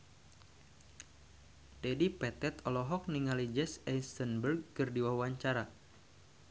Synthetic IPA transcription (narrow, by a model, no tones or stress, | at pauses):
dɛdipɛt̪ɛt̪ɔlɔɦɔk̚niŋalid͡ʒɛsɛjnst̪ənbərɡ̚kɨrdiwawwaɲt͡ʃaɾa